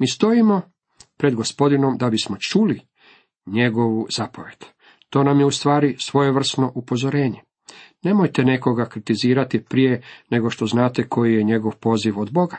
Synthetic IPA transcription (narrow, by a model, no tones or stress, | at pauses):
miːst̪o̞imo̞ | pɾe̞d̪ɡospo̞d̪ino̞md̪abismo̞t͡ʃuːli | ɲe̞ɡo̞ʋuzapoʋe̞d̪ | t̪o̞ːnamjeust̪ʋaːɾisʋo̞je̞ʋr̩sno̞ʔupo̞zo̞ɾe̞ːɲe | ne̞mo̞jt̪e̞ne̞ko̞ɡakɾit̪iziːɾat̪ipɾije̞ne̞ɡo̞ʃt̪o̞znaːt̪e̞ko̞jijeɲe̞ɡo̞ʋpo̞ːziʋod̪bo̞ɡḁ